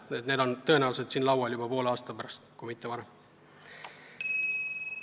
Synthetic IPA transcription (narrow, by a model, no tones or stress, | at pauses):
et̪ne̞d̪o̞nt̪ɤ̞e̞næwuse̞d̪siːnlɑwɑljubɑpo̞ːlɑːst̪ɑpæɾɑst̪kujmit̪ːevɑɾem